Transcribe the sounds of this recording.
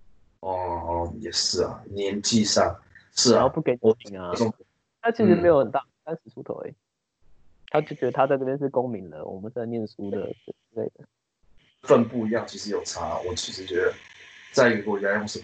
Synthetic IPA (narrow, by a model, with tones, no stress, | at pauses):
ʔɔ˥˩jɛ˨˩ʂɻ̩˥˩a̰˨˩njɛ˧˦nt͡ɕi˥˧ʂa˥˨ŋʂɻ̩˥˩a˨˦pu˥˩ke˨˥ɪno˧˥mi˨˥ŋa˨o˥˧ŋ | t̪ʰa˥t͡ɕʰi˧˥ʂɻ̩˧˥me˧˥ɪjo˧˦ə˨˩nt̪a˥˩a˥ns̩˨˩sʰu˥t̪ʰo̰˨˦ʊḛ˩ | t̪ʰa˥t͡ɕjo˥˩ʊt͡ɕɥɛ˧˥d̪ə˧t̪ʰa˥t͡sa˥˧ɪʈ͡ʂɤ˥˩pjɛ˥nʂ̬̩˥˩ko˥ŋmi˨˧˥ŋd̪ə̰˨wʔɔ̰˨˩mə˨˦ns̩˥a˧njɛ˥˩nsu˥d̪ə̰˩˨˩t͡s̩˥le˥˩ɪd̪ə˩ | fə˥˧npu˥˧i˧˥jɑ˥˩ʊt͡ɕʰi˧˥ʂɻ̩˧˦jo˨˩ʊt͡sʰa˦˥a̰˨wɔ˨˩t͡ɕʰi˧˥ʂɻ̩˧˥t͡ɕɥɛ˧˦˥d̪ə˨t͡sa˥ɪi˦ɡə˨˧kɔ˥˧i˨a˥˦jo˥˧ŋʂ̩˥˧˩